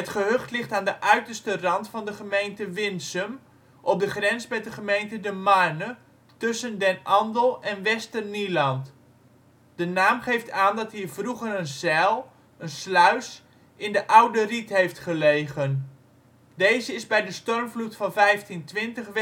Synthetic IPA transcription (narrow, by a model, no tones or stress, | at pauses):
ɦətχəɦøχtlɪχtaːndəʔœɥtərstərɑntfɑndəχəmejntəʋɪnsəm | ʔɔp̚dəχrɛnsbɛdəχəmejntədəmarnə | tɵsəndɛnʔɑndəlˠɛnʋɛstərnilɑnt | d̥ənaːmχejftaːndɑtɦiːvruɣərənzɛlˠ | ənslœɥs | ʔɪndəʔawdəritɦejftχəlejɣən | dejzəɪzbɛjdəstɔrmvlutfɑnvɛjftintʋɪntəχʋ